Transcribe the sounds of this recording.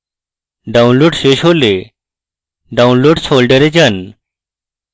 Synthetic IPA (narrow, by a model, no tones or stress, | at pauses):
ɖaunloːɖɕeɕɦole | ɖaunloɖsolɖəɾed͡ʑən